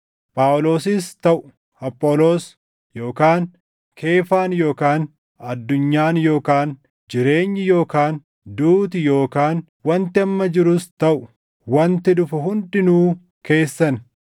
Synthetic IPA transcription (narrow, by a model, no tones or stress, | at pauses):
pʼaːwlo̞ːsɪst̪ɐʔʊ̥ | ɐpʼːoːlo̞ːs | jo̞ːkaːn | kʰe̞ːfaːnjo̞ːkaːn | ɐd̪ːʊɲːaːnjo̞ːkaːn | d͡ʒɪɾe̞ːɲːɪjo̞ːkaːn | d̪uːt̪̬ɪjo̞ːkaːn | wɐnt̪ɪɐmːɐd͡ʒɪɾʊst̪ɐʔʊ̥ | wɐnt̪ɪd̪ʊfɐɦʊndɪnuː | ke̞ːsːɐn